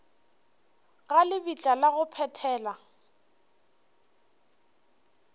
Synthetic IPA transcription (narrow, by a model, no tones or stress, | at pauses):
ɣalɪbit͡ɬʼalaɣʊpʰɛtʰɛːla